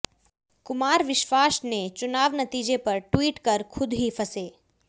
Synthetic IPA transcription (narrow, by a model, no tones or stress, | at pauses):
kʊmaːɾʋɪʃʋaːsnet͡ʃʊnaːʋnɐt̪iːd͡ʒepɐɾʈwiːʈkɐɾkʰʊd̪ɦifʰɐseː